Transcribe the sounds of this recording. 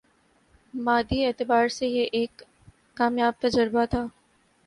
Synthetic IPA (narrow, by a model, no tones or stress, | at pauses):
maːd̪ieːt̪ɪbaːɾsejeʔeːkː | aːmjaːb̚t̪ɐd͡ʒəɾbat̪ʰaː